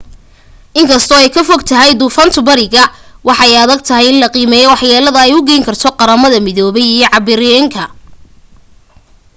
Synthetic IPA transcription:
ʔɪŋkʰɐst̪ʰɔɛjkʰɐfɔɡt̪ʰɐɦɛjd̪uːfɐnt̪ʰʊbɐɾɪɣɐwɑħɑɛjɐðɐɡ̚t̪ʰɐɦɛjɪnlɐqiːmɛːjɔwɑħjaːlɐðɐɛjʊɡɛjŋkʰɐrt̪ʰɔqɑɾɐmɐðɐmɪðɔːβɛjijɞʕɑbɪɾɛŋkʰɐ

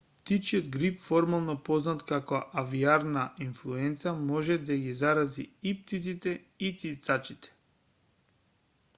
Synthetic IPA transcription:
pt̪it͡ʃiɔd̪ɡɾipfɔɾmalˠnɔpɔznat̪kakɔʔaviaɾnaʔinflˠuɛnt̪samɔʒɛd̪aɡizaɾaziip̚t̪it̪sit̪ɛ | it̪sit̪sat͡ʃit̪ɛ̥

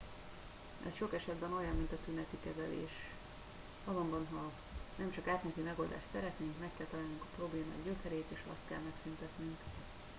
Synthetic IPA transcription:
ɛ̰sʃo̞kɛʃɛd̪bɛno̞jɒmːmint̪ɒt̪ynɛt̪ikɛzɛlḛːʃ | ɒzo̞mbɒnɦɒ | nɛmt͡ʃɒkaːt̪mɛt̪imɛɡo̞ld̪a̰ːʃt̪sɛɾɛt̪neːŋkmɛkːɛlt̪ɒlaːlnuŋkɒpro̞bleːma̰ːɟøkɛɾeːt̪eːʃɒ̰st̪̚kɛlmɛksynt̪ɛt̪nyŋk

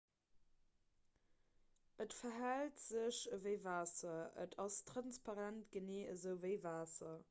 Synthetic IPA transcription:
ʔətfɐɦæltz̥əɕəvəɪvaːsɐə̰tʰɑstʁ̥ɑnspɑʁæntɡ̥əneːəzəʊvəɪvaːsɐ

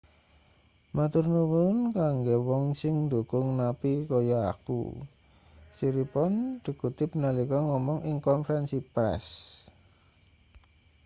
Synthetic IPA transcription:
mat̪urnuwunkaŋɡewɔŋsɪŋnd̪ukʊŋnapikɔjɔa̰kṵ | siɾipɔnɖ̪̥ə̤ɡ̥ut̪ɪp̚nalikɔŋɔmɔŋʔɪŋkɔnfɾɛnsipɾɛ̰s

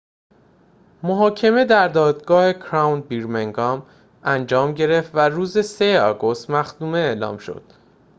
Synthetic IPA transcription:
moɦɒːcʰe̞me̞d̪æɾd̪ɒːd̪ɡɒːhe̞kʰɾɒwnbiɾmeŋɡɒːm | ænd͡ʒɒːmɟe̞ɾeft̪væruːzesejeɒːɡo̞st̪mæxd̪̥uːme̞eːlɒ̰ːmʃo̞̰d̪̥

